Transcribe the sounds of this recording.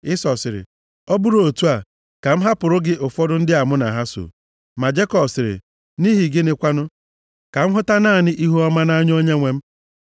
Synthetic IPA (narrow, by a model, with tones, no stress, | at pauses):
ɪ˦sɔ˨sɪ˨ɾɪ̰˨ | ɔ˦bu˦ɾo˨tu˦a˨ | ka˨m̩˦ɦa˦pʊ˨ɾʊ˦ɡɪ˦ʔʊ˨fɔ˦dʊ˦n̩˦dɪ˦a˨mʊ˦na˨ɦa˦so̰˨ | ma˨d͡ʒe˦kɔ˨bsɪ˨ɾɪ̰˨ | ni˦ɦi˨ɡɪ˦nɪ˦kʷa˦nʊ˦ | ka˨m̩˦ɦʊ˦ta˦naː˦˨nɪ˦ʔi˦ɦu˦ɔ˦ma˦na˦ɲ˦o˦ɲe˦ŋʷe˦m̩˦